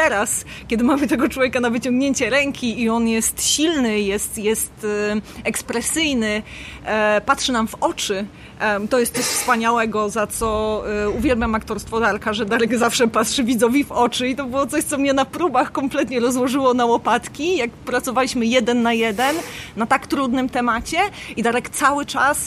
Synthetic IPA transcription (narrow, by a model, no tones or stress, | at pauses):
t̪ɛɾaskʲɛd̪ɘmamɘt̪ɛɡɔt͡ʂwɔvʲjekanavɘt͡ɕɔŋɡɲeɲt͡ɕɛɾɛŋkʲiːɔnjɛst̪ɕilnɘjɛst̪jɛst̪ɛkspɾɛsɘjnɘ | pat̪ʂɘnamvɔt͡ʂɘ | t̪ɔjɛst̪sɔɕfspaɲawɛɡɔzat̪sɔuvʲjɛlbʲjamakt̪ɔɾst̪fɔd̪aɾkaʐɛd̪aɾɛɡzafʂɛpat̪ʂɘvʲid̪zɔvʲivɔt͡ʂɘit̪ɔbɨwɔt̪sɔɕt̪sɔmɲɛnapɾubaxkɔmplɛt̪ɲɛɾɔzwɔʐɘwɔnawɔpat̪kʲijakpɾat̪sɔvalʲiɕmɘjɛd̪ɛnːajɛd̪ɛnːat̪akt̪ɾud̪nɘmt̪ɛmat͡ɕɛid̪aɾɛkt̪sawɘt͡ʂas